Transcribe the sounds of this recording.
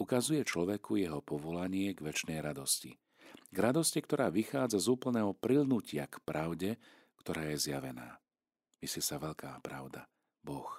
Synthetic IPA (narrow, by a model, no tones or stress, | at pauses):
ukazujɛt͡ʃlɔʋɛkujɛɦɔpɔʋɔlaɲɪɛɡʋɛt͡ʃnɛjɾad̪ɔscḭ | ɡɾad̪ɔscɛkt̪ɔɾaːʋixaːd͡zazuːpl̩nɛːɦɔpɾilnucɪakpɾʔaʊɟɛ | kt̪ɔɾaːjɛzjaʋɛna̰ː | ʋisɛsaʋɛʎkʰaːpɾa̰ʊd̪a | bɔx